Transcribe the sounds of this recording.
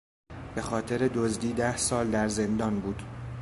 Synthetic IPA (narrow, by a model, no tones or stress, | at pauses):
b̥e̞xɒːt̪ʰe̞ɾe̞d̪ozd̪iːd̪æhsɒːld̪æɾzend̪ɒːnbuːd̪̥